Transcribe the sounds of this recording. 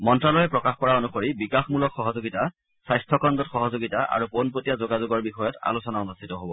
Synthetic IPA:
mɔntɹalɔjɛpɹɔkaxkɔɹaonuxoɹibikaxmulɔkxɔɦɔzoɡita | sajstʰɔkɔndɔtxɔɦɔzoɡitaʔa̰ɹuponpotijazoɡazuɡɔɹbixɔjɔta̰lusɔnaunustʰitɔɦobɔ

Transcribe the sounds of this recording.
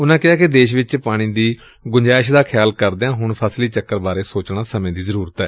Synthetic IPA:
ʊnãːkɪɦaːkɪd̪eːʃʋɪt͡ʃpaːɽ̃ĩːd̪iː | ɡʊɲd͡ʒaːɪʃd̪aːkʰɪjaːlkəɾd̪eãːɦʊɳpʰəsliːt͡ʃəkːəɾbaːɾeːsoːt͡ʃɳ̃ãːsəmẽːd̪iːzəɾuːɾət̪ɛ̰ː

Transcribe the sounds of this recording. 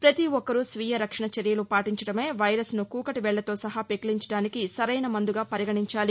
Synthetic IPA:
pɾɐt̪iɔkːɐɾusʋijɐɾɐkʂɐɳɐt͡ʃeɾjɐlupaːʈiɲt͡ʃɐɽɐme̞ːʋɐjɾɐsnukuːkɐʈiʋɛɭːɐt̪o̞ːsɐɦɐpekiliɲt͡ʃɐɽaːnikisɐɾɐjnɐmɐnd̪uɡaːpɐɾiɡɐɳiɲt͡ʃaːli

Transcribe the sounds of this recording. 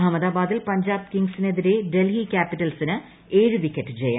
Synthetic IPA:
ɦɐmɐðaːbaːd̪ilpɐɲd͡ʑaːbkiŋɡsine̞ðiɾe̞ɖe̞lɦiːkʲaːpiʈːɐlsinɨ | eːɻuʋikʲːɐʈːɨt͡ɕeja̰ː

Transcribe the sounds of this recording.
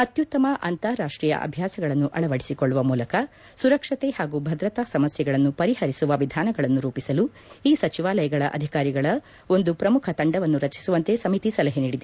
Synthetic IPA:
ɐt̪jut̪ːɐmɐʔɐ̰nt̪aɾaːʂʈɾiːjɐ̰ʔɐ̰bʱjaːsɐɡɐɭɐnːuʔɐɭɐʋɐɽi̥sikoɭːuʋɐmuːlɐkɐ | suɾɐkʂɐt̪ehaːɡubʱɐd̪ɾɐt̪aːsɐmɐsjɛɡɐɭɐnːupɐɾihɐɾisuʋɐʋid̪ʱaːnɐɡɐɭɐnːuɾuːpisɐlu | iːsɐt͡ʃiʋaːlɐjɐɡɐɭɐʔɐd̪ʱikaːɾiɡɐɭɐ | o̞nd̪upɾɐmukʰɐt̪ɐɳɖɐʋɐnːuɾɐt͡ʃi̥suʋɐnt̪e̞sɐmit̪isɐlɐɦeniːɽid̪e

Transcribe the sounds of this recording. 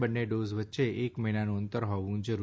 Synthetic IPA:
bənːeɖozʋətːʃeʔekməɦinanũənt̪əɾɦɔʋũd͡ʒəɾu

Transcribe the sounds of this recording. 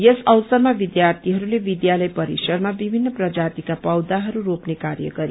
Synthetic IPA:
jesʌwsʌɾmaʋid̪jaɾt̪ʰiɦʌɾuleʋid̪jalʌjpʌɾisʌɾmabibʱinːəprʌd͡ʒat̪ikapʌwd̪aɦʌɾuɾopnekaɾjʌ̰ɡʌɾi

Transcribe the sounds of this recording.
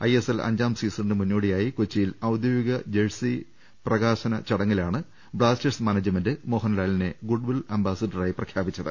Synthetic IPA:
ɐjeselɐ̰ɲd͡ʑaːmsiːsɳɖɨmunːoːɽijaːjikot͡ɕːijilɐwd̪joʋiɡɐd͡ʑeɻsi | prɐɣaːɕɐnɐt͡ɕɐɽɐŋːɐlaːɳɨ | bɭaːsteʈsmɐnɐd͡ʑjɐmɐndɨmoːɦɐnlaːɭineɡuɖʋilɐmbaːsɐɖɐraːjiprɐkʰjaːbit͡ɕːɐðɨ̰

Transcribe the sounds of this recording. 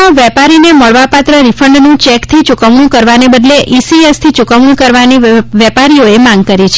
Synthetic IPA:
ãʋɛpaɾineməɭʋapat̪ɾəɾifʰəɳɖnũt͡ʃɛkt̪ʰit͡ʃukəmɳũkəɾʋanebəd̪leʔisiest̪ʰit͡ʃukəmnũkəɾʋaniʋɛpaɾioemãŋɡkəɾit͡ʃʰe

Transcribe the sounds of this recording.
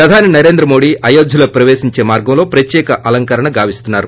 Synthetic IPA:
pɾɐd̪ʱaːninɐɾe̞ːnd̪ɾɐmoːɽiʔɐjoːd̪ʱjulɐpɾɐʋeːsiɲt͡ʃe̞ːmaːɾɡɐmlo̞ːpɾɐt̪jɛːkɐʔɐlɐŋkɐɾɐɳɐɡaːʋist̪unːaːɾu

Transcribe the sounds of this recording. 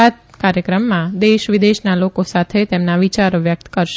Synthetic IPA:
at̪̚ | kaɾjəkɾəmːãd̪eʃʋid̪eʃnalokosat̪ʰet̪emnaʋit͡ʃaɾoʋjək̚t̪kəɾʃ

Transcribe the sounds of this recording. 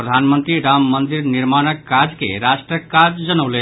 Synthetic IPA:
pɾəd̪ʱanmənt̪ɾiɾamːənd̪iɾniɾmanəkːad͡ʒkḛɾaʃʈɾəkad͡ʒd͡ʒənəle

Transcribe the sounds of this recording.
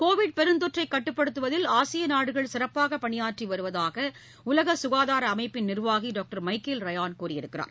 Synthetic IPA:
koːʋɪɽ̚pɛɾɯnd̪ɔʈrɐɪkːɐʈːɯpːɐɽɯt̪ːɯʋɐðɪlaːsɪjɐnaːɽɯɣɐɭsɪɾɐpːaːɣɐpɐɳɪjaːʈriʋɐɾɯʋɐðaːɣɐ | ʊlɐɣɐsʊɣaːðaːɾɐːmɐɪpːɪnnɪrʋaːɣiɖoːk̚ʈɐɾmɐɪkɪlɾɐjaːnkuːrɪjɪɾɯkːɪra̰ːɾ

